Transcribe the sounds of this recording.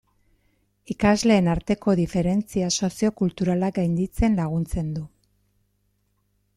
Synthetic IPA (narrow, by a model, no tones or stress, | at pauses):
ikazle̞ːnaɾt̪e̞ko̞ðife̞ɾe̞nt͡siaso̞sio̞kult̪uɾalaɡajnd̪it͡se̞nlaɣ̞unt͡se̞nd̪u